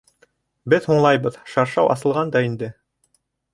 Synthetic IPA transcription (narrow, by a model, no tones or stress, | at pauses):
bɘðhuɴlˠɑjbɤðʃɑɾʃɑwʔɑ̰sɤ̆lˠʁɑnd̪ɑind̪ɘ